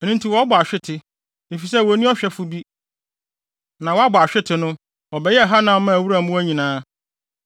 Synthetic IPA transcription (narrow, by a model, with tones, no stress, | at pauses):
ɛ˨nũ˦n˦tʰi˨wɔ˨˦bʊ˨a˨ɕᶣɪ˦tʰɪ˨ | e˨fi˨sɛ˦˨wɔ˨˦nĩ˦ɔ˦ɕᶣɛ˦fʊ˦bi˦ | nã˨wɔ˨˦a˦bʊ˨a˨ɕᶣɪ˦tʰɪ˨nʊ̃˦ | wɔ˨bɛ˨jɛ˦˨ɦa˦nã˨˦mã˦˨æ˨wu˦ɾã˦˨m̃˦ɔ˦æ˦ɲĩ˨nãː˦